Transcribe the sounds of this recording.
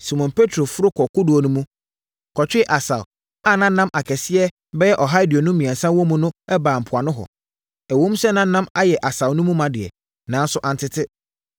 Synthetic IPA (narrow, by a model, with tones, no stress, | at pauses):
si˨mɔ̃˨npʰe˦tʰɾo˨fʊ˦ɾʊ˦kʰɔ˨kʊ˦dʊ˨o˨nʊ̃˦mũ˦ | kʰɔ˨t͡ɕᶣɪ˦ʔa˨sa̰˨w | a˦˨nã˦n̩˦nã˦mʔa˨kʰɛ˨sɪ˦ɛ˦ | bɛ˦jɛ˦ʔɔ˨ɦa˦ɪ˦dɪ˨o˨nʊ̃˦mĩ˨a˨sã˦wõ˦mũ˨nʊ̃˦ɛ˦baː˨m̩˨pʰʊ˨a˨nʊ̃˦ɦɔ̰˨ | æ˨wõ˦m˦sɛ˦nã˦nːã˦ma˦jɛ˨ʔa˨sa˨wnʊ̃˦mũ˦mã˨dɪ˨ɛ̰˨ | nã˨˦n˦sʊ˦ʔã˨n˦tʰɪ˦tʰɪ˦